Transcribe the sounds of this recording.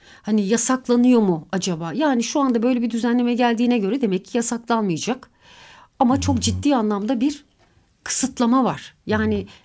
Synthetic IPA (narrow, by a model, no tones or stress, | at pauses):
hanijasaklˠanɯjo̞mʊad͡ʒabaːjaːniʃuand̪abø̞jlʲebid̪yzænlʲe̞mɛɟælʲd̪iːnɛɟø̞ɾɛd̪e̞mɛcʰːijasaklˠanmɯjad͡ʒak | amat͡ʃʰo̞kd͡ʒit̪ːiːanlˠamd̪abiɾ̥ | kʰɯ̥sɯt̪lˠamavaɾ̥jaːnɪ